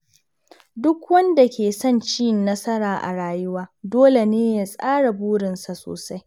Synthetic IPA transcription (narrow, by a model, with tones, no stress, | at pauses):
dʊ˦kwɐ˦nda˨kʲeː˨sɐ˦˨nt͡ʃiː˦˨nːɐ˦sɐ˦ɾaː˨ʔa̰˨ɽaː˨jʊ˦waː˦doː˦le˨neː˦ja˨sʼaː˦ɽa˨buː˦ɽɪ˨nsa˨so̰ː˨sa˦j